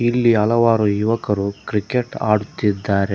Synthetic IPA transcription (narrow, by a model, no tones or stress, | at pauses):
ilːiɐlɐʋaːɾujuʋɐkɐɾukɾikeʈa̰ːɽut̪ːid̪ːaːɾe